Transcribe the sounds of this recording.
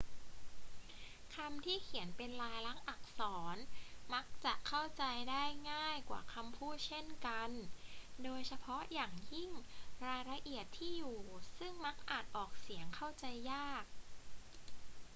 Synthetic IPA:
kʰa˧mt̪ʰiː˥˩kʰi˨˩˦ənpe˧nlaː˧jla˦˥ŋʔa˨˩k̚sɔː˩˦nma˦˥k̚t͡ɕa˨˩ʔkʰa˥˩wt͡ɕa˧jdaː˥˩jŋaː˥˩jkwa̰ː˨˩kʰa˧mpʰuː˥˩t̪̚t͡ɕʰe˥˩nka˧ndoː˧jsʰa˧pʰɔ˦˥jaː˨˩ŋji˥˩ŋɾaː˧jɾa˧ʔi˨˩ət̪ʰːiː˥˩juː˨˩sɯ˥˩ŋma˦˥k̚ʔaː˨˩t̪̚ʔɔː˨˩k̚si˩˦əŋkʰa˥˩wt͡ɕa˧jːaː˥˩k̚

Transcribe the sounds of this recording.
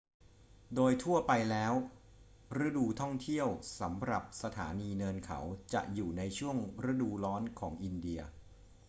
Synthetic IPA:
doː˧jt̪ʰu˥˩ɐpa˧jlɛː˦˥w | ɾɯ˦˥duː˧t̪ʰɔ˥˩ŋt̪ʰi˥˩əwsa˩˦mɾa˨˩p̚sa˧t̪ʰa̰ː˩˦niː˧nɤː˧nkʰa̰˩˦wt͡ɕa̰˨˩ʔjuː˨˩na˧jt͡ɕʰu˥˩əŋɾa˦˥duː˧lɔː˦˥nkʰɔː˩˦ŋʔi˧ndi˧ɐ

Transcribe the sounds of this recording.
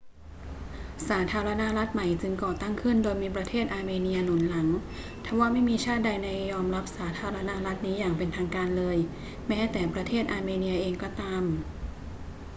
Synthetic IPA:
saː˩˦t̪ʰaː˧ɾa˧na˦˥ɾa˦˥t̪̚ma˨˩jt͡ɕɯ˧ŋkɔː˨˩t̪a˥˩ŋkʰɯ˥˩ndoː˧jmiː˧pɾa˧t̪ʰeː˥˩t̪̚ʔaː˧meː˧ni˧ɐnu˩˦nla˩˦ŋ | t̪ʰɛ˧˩waː˥˩ma˥˩jmiː˧t͡ɕʰaː˥˩t̪̚da˧jna˧˩jːɔː˧mɾa˦˥p̚saː˩˦t̪ʰaː˧ɾa˧na˦˥ɾa˦˥t̪̚niː˦˥jaː˨˩ŋpe˧nt̪ʰaː˧ŋkaː˧nlɤː˧j | mɛː˦˥t̪ɛː˨˩pɾa˧t̪ʰeː˥˩t̪̚ʔaː˧meː˧ni˧ɐʔeː˧ŋkɔː˥˩t̪aː˧m

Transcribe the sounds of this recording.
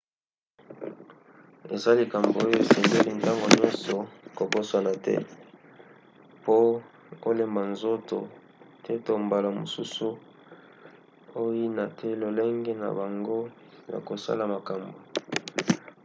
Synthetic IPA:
e˨za˦li˨ka˨mbo˨o˦jo˦e˨sɛ˨nde˦li˨nta˦ŋɡo˨ɲɔ˦nsɔ˨ko˨ko˦sa˨na˨tɛ̰˦ | po˦ | o˦le˨mba˨nzo˦to˨ | tʰɛ˦to˨mba˨la˨mo̰˨su˦su˦ | o˦ji˦na˨tʰɛ˦lo˨le˦ŋɡe˦na̰˨ba˨ŋɡo˦ | ja̰˨ko˨sa̰˦la˨ma˨ka˨mbo˨

